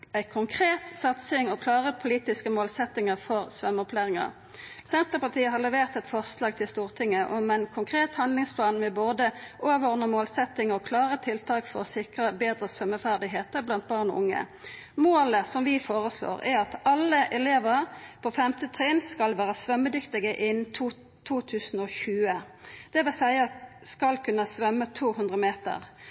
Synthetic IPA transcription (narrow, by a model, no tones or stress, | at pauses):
æɪkʰʊŋkʰʁeːt̪sɑt̪sɪŋɔkʰlɑːʁəpʰʊliːt̪ɪskəmoːlsɛt̪ːɪŋəʁfɔʁsʋœmːɔpʰlæːʁɪŋə̰ʁ | sɛnt̪əʁpɑt̪ʰiːəɦɑʁlɛʋeːʁt̪ɛt̪fɔʁslɑːɡ̚t̪ʰɪlst̪uːʁt̪ʰɪŋːəʔɔmɛnkʰʊŋkʰʁeːt̪hɑnlɪŋspʰlɑːnmɛboːd̪əʔoːʋɔʁnəmoːlsɛt̪ːɪŋəɔkʰlɑːʁət̪ʰɪlt̪ʰɑːkfɔʁɔsɪkʁəbeːd̪ʁəsʋœmːəfæʁd̪ɪɦeːt̪əʁblɑnt̪̚bɑːʁnɔ̰ʔʊŋːə̰ | moːləsɔmʋɪfoːʁəslo̰ːʁæɾɑt̪ɑlːəʔɛleːʋəʁpʰɔfɛmt̪ət̪ʰʁiːnskɑlʋæːʁəsʋœmːəd̪ʏkt̪ɪɡəʔɪnt̪ʰː | t̪ʰuːt̪ʰʉːsnɔçʉːə | d̪̥ɛʋɪlsæɪɑskɑlkʰʉnːəsʋœmːət̪ʰuːhʉnd̪ʁəmeːt̪ə̰ʁ